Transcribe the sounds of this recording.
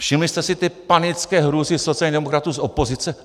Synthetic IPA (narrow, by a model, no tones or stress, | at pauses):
fʃimlist̪ɛsit̪ɪpanit͡skɛːɦɾuzisot͡sijalɲid̪ɛmokɾat̪uːzopozit͡sɛ